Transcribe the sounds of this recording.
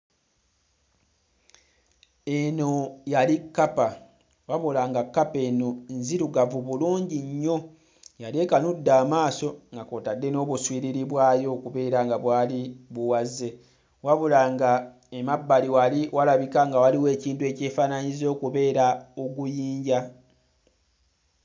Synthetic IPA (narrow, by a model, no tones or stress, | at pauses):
e̞no̞jalikːapa | waβulaŋɡakːape̞nonziɾuɡavuβuluːɲɟiɲːo̞ | jale̞kanudːaːmaːso̞ŋɡakotadːe̞no̞ːβuswiːɾiɾiβwaːjo̞kuβe̞ːɾaŋɡaβwaːliβuwazːe̞ | waβulaŋɡa | emabːaliwaliwalaβikaŋɡawaliwe̞ːciːntue̞ːce̞ːfaːnaɲizo̞ːkuβe̞ːɾaoɡujiːɲɟa